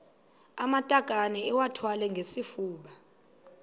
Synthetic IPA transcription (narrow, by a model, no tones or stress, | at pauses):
amatʼakʼanɛːwatʰwalɛŋɡʱesifuːɓa